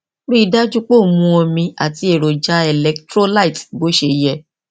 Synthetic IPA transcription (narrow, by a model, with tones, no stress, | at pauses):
ɾi˦˧da˦d͡ʒu˦k͡po˦˨mũ˧ɔ˧mĩ˧a̰˨ti˧e˨ɾo˨d͡ʒa˦ɛ˧˨lɛ˧˦ktɾo˦la˦˨i˨tbo˨˦ʃe˧jɛ˧˨